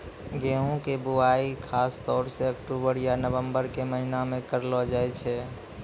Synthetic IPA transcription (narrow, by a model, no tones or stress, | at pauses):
ɡeːũkebʊaːikʰaːst̪ɔːɾseəkʈubəɾjanəʋə̃mbəɾkeməɦinamẽkəɾlɔd͡ʒaːɛt͡ʃʰɛ